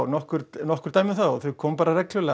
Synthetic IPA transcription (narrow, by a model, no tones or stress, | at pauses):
wnɔhkʏɾnɔhkʏɾ̥t̪ajmɪʏθawθœɥkʰɔːmpaːɾarɛklʏlɛ